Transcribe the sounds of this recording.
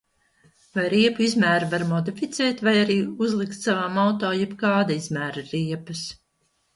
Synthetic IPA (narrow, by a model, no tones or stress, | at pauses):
vajɾiɛpuizmæːɾvaɾmɔd̪ifit̪sɛːt̪vajaɾiːuzlˠikt̪savaːmawt̪ɔːjɛbkaːd̪aizmæːɾaɾiɛpɨs